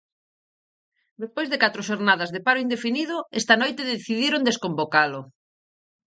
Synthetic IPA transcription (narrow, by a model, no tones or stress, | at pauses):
d̪espojzðekat̪ɾʊʃoɾnað̞ɐzðepaɾʊind̪efinið̞ʊɛst̪anojt̪eðeθiðiɾond̪eskombokalʊ